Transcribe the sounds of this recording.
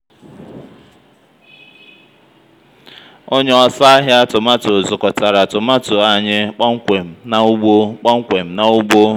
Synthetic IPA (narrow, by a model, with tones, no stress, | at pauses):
o˦ɲe˦ɔ˦sa˦a˦ɦja˦tʊ˨ma˦tʊ˨zʊ˨kɔ˨ta˨ɾa˨tʊ˨ma˦tʊ˨a˦ɲɪ˦k͡pa˦ŋ̩˦kʷe˨m̩˨na˨u˦ɡ͡bo˦k͡pa˦ŋ̩˦kʷe˨m̩˨na˨ʊ˦ɡ͡bo˦